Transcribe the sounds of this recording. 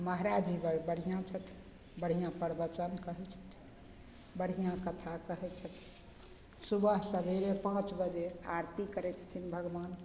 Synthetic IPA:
məɦɾad͡ʒibəɾbəɽ̤ijãt͡ʃʰət̪ʰ | bəɽ̤ijãpəɾbət͡ʃənkəɦɛt͡ʃʰə̥t̪ʰ | bəɽ̤ijãkət̪ʰakəɦɛt͡ʃʰət̪ʰi̥ | subəɦsə̃bʱeɾepãt͡ʃbəd͡ʒea̰ɾt̪ikəɾɛt͡ʃʰə̥t̪ʰinbʱəɡʋan

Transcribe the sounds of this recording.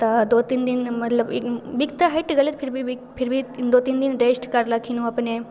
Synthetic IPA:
t̪ad̪ot̪ind̪inmət̪ləbebikt̪aɦeʈɡalet̪fʰiɾbʱibifiɾbʱid̪ot̪ind̪inɾesʈkaɾlakinũapəɳe

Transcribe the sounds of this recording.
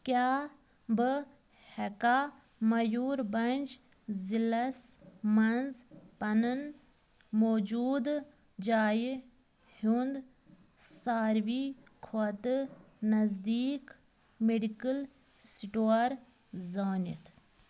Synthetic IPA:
kʲjaː | bɨ | hɛka | mɐjuːɾbɐnʲd͡ʒ | zilɐsmɐnzpɐnɨn | moːd͡ʒuːd̪ | d͡ʒaːji | hund̪ | saːɾʋiː | kʰot̪ɨ | nɐzd̪iːk | meɖikəl | siʈoɾ | zaːnḭt̪ʰ

